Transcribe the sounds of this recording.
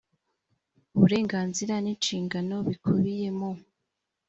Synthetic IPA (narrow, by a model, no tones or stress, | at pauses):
uβuɾe̞ːŋɡaːnziɾanint͡ʃiːŋɡano̞βikʰuβije̞mo